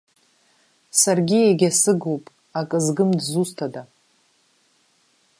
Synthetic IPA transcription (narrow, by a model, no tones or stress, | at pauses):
sarɡʲieɡʲasɨɡupʼ | akʼɨzɡɨmdzustʰada